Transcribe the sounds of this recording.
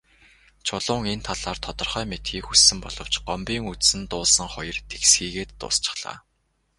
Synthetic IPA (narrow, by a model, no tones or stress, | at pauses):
t͡ɕʰʊɮʊːŋent̪ʰaɮaːrt̪ʰɔt̪ɞ̆rχœːmet̪ɡiːkxusːɘ̆mpɔ̰ɮɞ̆w̥t͡ɕɢɔmpʲiːŋut̪sɘ̆nt̪ʊːɮsə̆ŋχɔjɞ̆rt̪ʰe̥ksxiːɣeːt̪ːʊ̰ːst͡ɕɪ̥̆χɮ̥a̰ː